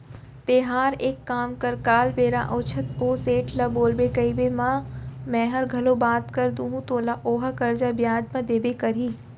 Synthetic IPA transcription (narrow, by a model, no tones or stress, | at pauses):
t̪eːɦaːɾeːkːaːmkɐɾkaːlbeːɾaʔoːt͡ʃʰət̪oːseːʈʰlɐboːlbekɐibemãmɛ̃ːɦɐɾɡʱɐlobaːt̪kɐɾd̪ũːɦũt̪oːlaʔoːɦəkɐɾd͡ʒabjaːd͡ʒmãd̪eːbekɐɾiː